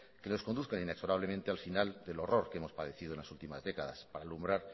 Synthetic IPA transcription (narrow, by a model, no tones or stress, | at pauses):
keno̞sko̞nd̪uθkanine̞kso̞ɾaβ̞lemẽnt̪e̞alfinald̪e̞lo̞ro̞ɾkeemo̞spað̞e̞θið̞onlasult̪imazðe̞kaðaspaɾaːlumbɾaɾ